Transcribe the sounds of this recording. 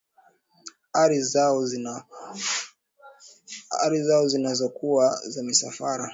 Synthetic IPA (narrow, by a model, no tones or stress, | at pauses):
aɾi | a̰ɾizaɔzinazɔkuwazamisafaɾa